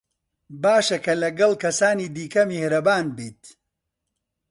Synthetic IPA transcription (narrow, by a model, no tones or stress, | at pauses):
baːʃɐkɐlɐɡɐlˠkɐsaːniːd̪iːkɐmehɾɐbaːnbiːt̪̚